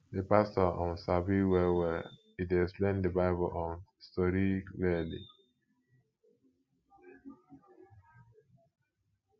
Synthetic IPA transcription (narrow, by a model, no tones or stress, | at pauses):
depastɔɔ̃nsabiwɛwɛ | idɛksplẽndəbaɪbəlʔɔ̃nstɔɾiklilḭ